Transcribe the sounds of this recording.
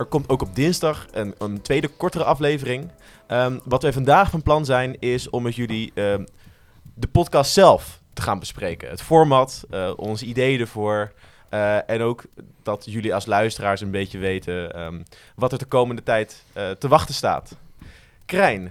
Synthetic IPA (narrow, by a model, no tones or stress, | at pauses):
ɛɹkɔmtowkɔb̚dɪnzdɑχənəntʋejdəkɔɹtərəʔɑflejvərɪŋ | əʋɑtʋɛjvɑndaːχfɑnplɑnzɛjnɪsɔmətjɵliə | dəpɔtkɑstsɛlˠf | təχaːnbəsprejkə̰nɦətfɔːɹmɑtəɔnzəidejdəɹvʊːɹ | ɛnowkd̥ɑtjɵliɑlˠslœɥstəraːɹsənbejcəʋejtəə | ʋɑtɛɹdəkowməndətɛjtːtəʋɑχtəsta̰ːt | krɛjn